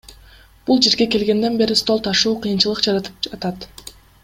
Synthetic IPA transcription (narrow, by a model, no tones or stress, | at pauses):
b̥ulˠd͡ʒe̞ɾɡe̞ke̞lɡe̞nd̪e̞nbe̞ɾist̪o̞lˠt̪ʰɑʃuːqʰɯjɯnt͡ʃɯlˠɯqd͡ʒɑɾɑt̪ɯ̥p̚ɑt̪ɑt̪